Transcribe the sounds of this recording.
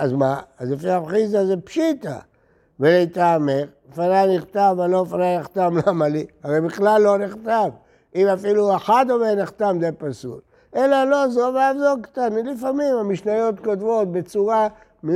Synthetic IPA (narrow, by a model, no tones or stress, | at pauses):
azmaːzlefiaχizazepʃit̪a̰ | velet̪ameʁ | faɾaniχt̪avelofaɾaniχt̪amlamaliaʁejbiχlalːo̞niχtav | imafilueħad̪oveniχt̪amzepasṵl | ʔelalo̞zoveavzolkḁt̪anilifamimhamiʃnajo̞t̪kotvo̞t̚bet͡suʁa | mi